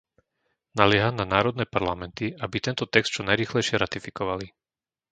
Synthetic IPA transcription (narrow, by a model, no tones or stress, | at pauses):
nalɪɛɦananaːɾɔd̪nɛːpaɾlamɛnt̪iabit̪ɛnt̪ɔt̪ɛkst̪̚t͡ʃɔnajɾiːxlɛjʃɪɛɾat̪ifikɔʋali